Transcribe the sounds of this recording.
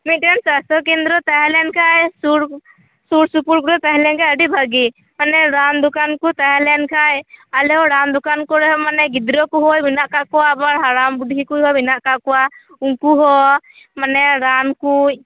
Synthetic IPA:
mit̪̚ɛnsast̪ɔkɛnd̪ɾɔt̪aɦɛlɛnkʰajsuɾ | suɾsupuɾkuɾɔt̪aɦɛlɛnkajəɖibʱəɡi | manɛɾand̪ɔkankut̪aɦɛlɛnkʰajalɛɔɾand̪ɔkankɔɾɛɦɔmanɛɡid̪ɾɔkuɦɔjbinaʔkaʔkɔwabaɾɦaɾambuɖʱɦikujɦɔbinaʔkaʔkɔwa | uŋkuɦɔ | manɛɾankuc̚

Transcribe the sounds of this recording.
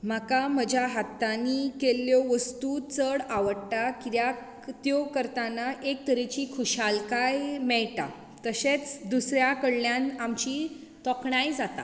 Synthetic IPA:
m̤akaməd͡ʑʱjaɦat̪ːanikelːjɔʋəst̪ut͡səɽaʋəɽʈakit̪ja | t̪jɔkəɾt̪anaʔek̚t̪əɾet͡ɕikʰuɕalkajmɛɭʈa̰ | t̪əɕet͡sd̪usɾjakəɽljãnamt͡ɕi | t̪ɔkɳajd͡zat̪a̰

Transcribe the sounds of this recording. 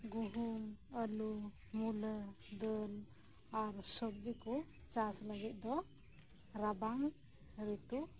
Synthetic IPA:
ɡuɦunəlu | mulə | d̪əl | aɾsɔk̚d͡ʒiku | t͡ʃasləɡit̪̚ˀd̪ɔ | ɾabaŋ | ɾit̪u

